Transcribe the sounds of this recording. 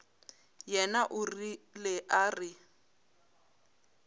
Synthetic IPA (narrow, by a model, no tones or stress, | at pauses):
jɛnaʔʊrilɛʔarɪ